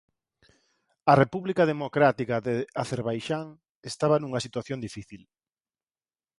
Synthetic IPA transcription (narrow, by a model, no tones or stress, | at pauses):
ɐrepuβlikaðemokɾat̪ikaðeaθeɾβajʃaŋ | est̪aβɐnuŋɐsit̪waθjond̪ifiθil